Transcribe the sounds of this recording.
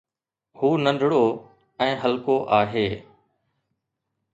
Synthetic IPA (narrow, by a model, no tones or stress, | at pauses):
huːnə̃nɖ̪ʱɽoː | ɛ̃ːɦəlkoːʔaːɦeː